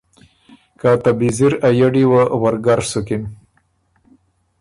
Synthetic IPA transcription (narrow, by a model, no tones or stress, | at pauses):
kaːt̪abiziɾajaɖiwəwaɾɡaɾsukin